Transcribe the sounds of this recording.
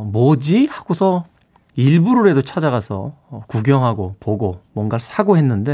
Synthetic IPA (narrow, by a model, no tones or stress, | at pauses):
mod͡ʑihaɡosʰʌ | iɭbuɾɯɾe̞dot͡ɕʰad͡ʑaɣasʰʌ̰ːkuɡjʌŋɦaɡopoɡomwʌnɡasʰaɡoɦe̞nːɯnde̞